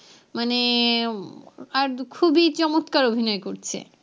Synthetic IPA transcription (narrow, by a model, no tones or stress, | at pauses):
mane | aɾkʰubit͡ɕɔmot̪kaɾobʱinɔekoɾt͡ɕʰḛ